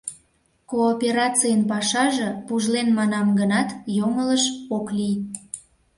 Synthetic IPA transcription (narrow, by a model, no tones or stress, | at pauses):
koːpʲeɾɑt͡sijənpɑʃɑʒɤ̆puʒlenmɑnɑmɡənɑt̪jomələʃoklij